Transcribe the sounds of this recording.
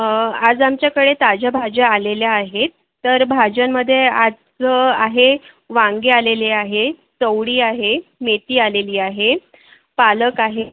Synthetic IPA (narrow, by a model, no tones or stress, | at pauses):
ad͡zamt͡ɕjakəɽet̪ad͡ʑabʱad͡ʑaːleljaːɦetː | əɾbʱad͡ʑaməd̪ʱːjead͡z | aɦe | ʋãŋɡealeleaɦe | t͡səwɽiːaɦemet̪iːaleliːaɦe | paləkaɦe